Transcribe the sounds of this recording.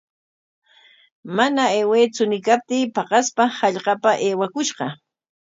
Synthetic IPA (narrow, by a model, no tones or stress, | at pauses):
manaeweːt͡sʊnɪkap̚t̪iːpɑqɑspahɑʎɢɑpaʔeːwakʊʃɢɑ